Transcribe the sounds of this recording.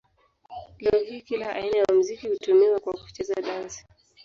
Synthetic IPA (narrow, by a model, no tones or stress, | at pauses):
lɛɔhiːkilaʔa̰inajaam̩zikihutumiwakwaku̥t͡ʃɛzaɗazi̥